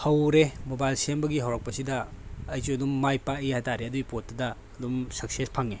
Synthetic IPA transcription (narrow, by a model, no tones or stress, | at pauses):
hɐwɾemobajlsembɐɡiɦɐwɾak̚pɐsidɐːjzuɐdumːajpaihataɾeɐduɡipot̚ːɐdɐːdumsɐksespʰaŋe